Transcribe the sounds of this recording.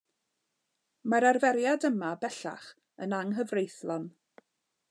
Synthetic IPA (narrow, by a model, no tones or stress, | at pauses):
maɾarvɛɾjadəmabɛɬa̰χ | ənaŋɦəvrejθlˠɔn